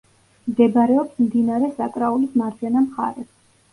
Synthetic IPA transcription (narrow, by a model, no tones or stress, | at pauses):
md̪ɛbɾɛɔpsmd̪inaɾɛsakʼɾaulismaɾt͡ʃʰɛnamχa̰ɾɛs